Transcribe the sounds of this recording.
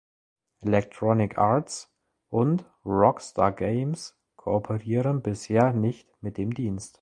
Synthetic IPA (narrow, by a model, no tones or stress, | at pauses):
ʔɛlɛktʁ̥ɔnɪkʰaɐts | ʔʊnt | ʁɔksta̰ɐɡeɪms | kʰoopʰəʁiːʁənbɪsheːɐnɪçtmɪt̚d̥eːmdiːnst